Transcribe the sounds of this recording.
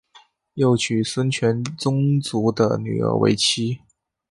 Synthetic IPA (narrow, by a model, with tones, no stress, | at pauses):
jo˥˩ʊt͡ɕʰy˨˩swə˥nt͡ɕʰɥɛ˧˥nt͡sʊ˥ŋt͡su˧˥d̪ə̰˧ny̰˨˩ə̰˧˥wḛ˧˥ɪt͡ɕʰi˥